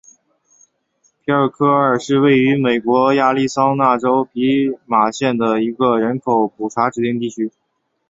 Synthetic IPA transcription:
pʰi˥ə˞˥˧˩kʰɤ˥ə˞˨˩ʂɻ̩˥˧we˥˩ɪy˧˥me˨˩ɪkwɔ˧˥ja˥˧li˥˩sɑ˥ŋna˥˩ʈ͡ʂo˥ʊpi˧˥ma˨˩ɕjɛ˥˩nd̪ə˩i˧˥ɡə˧ɻə˧˥nkʰo˧˥ʊpu˨˩ʈ͡ʂʰa˧˥ʈ͡ʂɻ̩˨˩t̪i˥˧ŋt̪i˥˩t͡ɕʰy˥

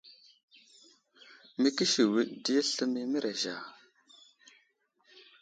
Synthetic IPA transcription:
mi˦ki˦ʃi˨wi˦ɗdi˦ɬə˦mi˦mə˦ɾʔa˨ʒa˨

